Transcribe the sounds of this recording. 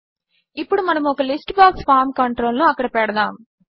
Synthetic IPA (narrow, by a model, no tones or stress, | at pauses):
ipːuɽumɐnɐmɔkɐlisʈbaːkspʰaːɾmkɐɳʈɾo̞ːlnuɐkːɐɽɐpɛɽɐd̪aːm